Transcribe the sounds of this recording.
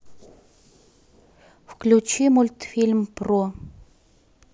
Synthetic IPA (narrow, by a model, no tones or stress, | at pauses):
fklʲʊt͡ɕimulʲt̪fʲilʲmpro